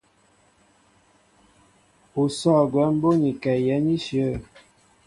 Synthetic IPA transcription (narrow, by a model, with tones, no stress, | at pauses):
u˨sɔ˦˨ɡwɛ˨˦m̩˦bo˦ni˨kɛ˨jɛ˨˦ni˦ʃjə˦˨